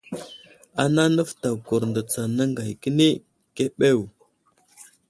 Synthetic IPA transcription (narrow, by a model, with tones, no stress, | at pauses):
a˨na˦nə˦fta˨ku˨ɾndə˨t͡sa˨na˦ŋɡa˨jkə˦ni˦ | ke˦ɓe˦˨w